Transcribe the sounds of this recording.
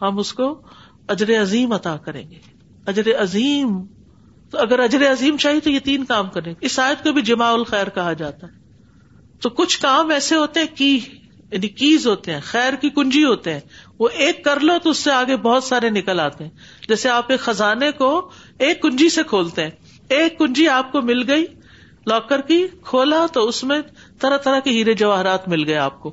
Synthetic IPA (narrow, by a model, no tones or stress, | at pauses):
ɦɐmʊsko | ɐd͡ʒɾeɐziːmɐt̪aːkɐɾḛ̃ːŋɡeː | ɐd͡ʒɾeɐziːm | t̪oɐɡəɾɐd͡ʒɾeɐziːmt͡ʃaːɦit̪ojɐt̪iːnkaːmkɐɾẽɡɪsaːjət̪̚kobʱid͡ʒɐmaːʊlxɛːɾkɐɦad͡ʒaːt̪aɦɛ | t̪oːkʊt͡ʃʰkaːmɛːseɦoːt̪eɦɛ̃kiː | janikiːzɦoːt̪eɦɛ̃ːxɛːɾkikʊ̃nd͡ʒiɦoːt̪eɦɛ̃ːʋoʔeːkːɐɾlot̪oʊsːeaːɡebɔːʊt̪saːɾenɪkəlaːt̪eɦɛ̃ː | d͡ʒɛːseaːpekxɐzaːneko | eːkːʊ̃nd͡ʒisekʰoːlt̪eɦɛ̃ː | eːkːʊ̃nd͡ʒiaːp̚komɪlɡɐi | lɔːkəɾkikʰoːlat̪oʊsmẽ | t̪ɐɾat̪ɐɾakiɦiːɾed͡ʒɐʋaːɦɾaːt̪mɪlɡɐea̰ːp̚koː